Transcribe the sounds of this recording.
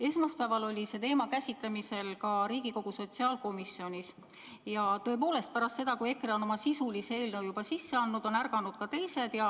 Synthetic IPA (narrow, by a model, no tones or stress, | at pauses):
e̞smɑspæːvɑlo̞lʲise̞t̪e̞ːmɑkæsʲit̪lemise̞lkɑɾiːɡ̥iko̞ɡ̥uso̞t̪siɑːlko̞misːio̞nʲis | jɑt̪ɤe̞po̞ːle̞st̪̚pæɾɑst̪se̞d̪̥ɑkuje̞kreo̞no̞mɑsisulise̞ːlnɤ̞wjubɑsisːe̞ɑnːud̪̥o̞nærɡ̥ɑnud̪̥̚kɑt̪e̞jse̞d̪̥jɑ